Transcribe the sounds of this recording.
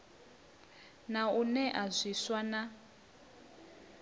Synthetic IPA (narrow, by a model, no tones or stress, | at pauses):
naunɛʔazʷiswana